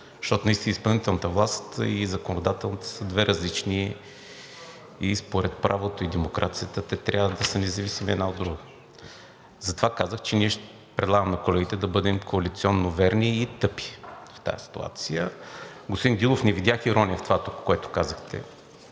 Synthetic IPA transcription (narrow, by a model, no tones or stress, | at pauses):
zʃt̪ɔt̪ʊnɐist̪inəispɐlˠnit̪ɛlˠnət̪əvlˠast̪izɐkonod̪at̪ɛlˠnət̪ə̥səd̪vɛɾɐzlit͡ʃni | ispoɾɛt̪̚pɾʔavot̪oid̪ɛmokɾʔat̪sijət̪ət̪ɛt̪ɾʲʔavəd̪ɐsənɛzɐvisimiɛ̰d̪naod̪ːɾuɡə | zɐt̪ovakazəxt͡ʃɛniɛʃt̪ | pɾɛd̪lˠaɡəmnɐkolɛɡit̪ɛd̪ɐbɤd̪ɛmkʰoɐlit̪siɔnːovɛɾniːt̪ɤpi̥ft̪a̰jəsi̥t̪ṵa̰t̪sijəɡospod̪ind̪ilˠofnɛvid̪ʲjaxiɾɔniəft̪ovat̪okːoɛt̪ʊ̥kazəxt̪ɛ̰